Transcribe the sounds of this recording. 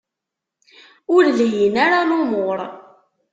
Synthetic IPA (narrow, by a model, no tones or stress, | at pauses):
ʊɾljənaɾanʊmoɾˤ